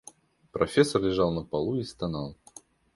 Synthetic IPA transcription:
pɾɐfʲesːərlʲɪʐɑlˠnəpɐlˠuist̪ɐnɑlˠ

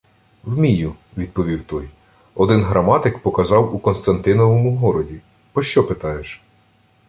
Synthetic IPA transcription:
wmʲijʊ | ʋʲid̪̚pɔʋʲiwt̪ɔj | ɔd̪ɪnɦɾɐmɑt̪ɪkpɔkɐzɑwukɔnst̪ɐnt̪ɪnɔʋɔmʊɦɔɾɔdʲi | pɔʃt͡ʃɔpɪt̪ɑjeʃ

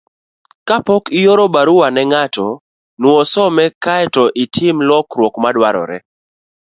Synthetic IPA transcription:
kapɔkijoɾɔbaɾuwanɛŋatɔ | nwɔsɔmɛkaɛtɔʔitʰɪmlɔkɾwɔkmadwaɾɔ̰ɾɛ

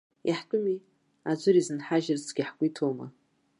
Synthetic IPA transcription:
ḭħtʼʊmi | ad͡ʒʷʊɾizɨnħaʒɪrt͡sʰɡʲiħkʷʼitʰoma̰

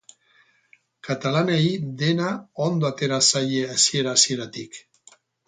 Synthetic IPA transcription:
kat̪alaneid̪e̞naond̪o̞at̪e̞ɾasajeasie̞ɾasie̞ɾat̪ik

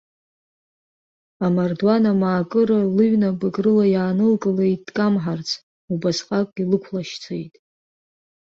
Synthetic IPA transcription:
amardwanamaːkʼɨɾalɨɥnabʼaɡʼrɨlajaːnɨlkʼɨlejʼdkʼamħart͡sʰ | ubasqʼakʷʼɡʲilɨkʷʰlaʃt͡sʰejtʼ

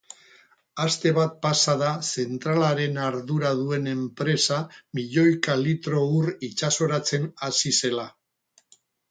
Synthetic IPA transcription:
ast̪e̞β̞at̪̚pasaðase̞nt̪ɾalaɾe̞naɾðuɾað̞ue̞ne̞mpɾe̞samiʎo̞jkalit̪ɾo̞urit͡ʃaso̞ɾat͡se̞nasise̞la

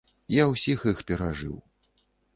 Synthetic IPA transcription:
jawsʲixixpʲɛɾaʐɨ̰w

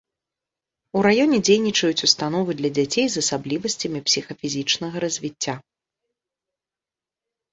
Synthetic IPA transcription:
uɾajɔnʲɛd͡zʲejnʲit͡ʂɐjut͡sʲust̪anɔvɨd̪lʲɐd͡zʲat͡sʲejzɐsablʲivɐsʲt͡sʲɐmʲipsʲixɐfʲizʲit͡ʂnɐɣɐɾɐzʲvʲit͡sʲːa

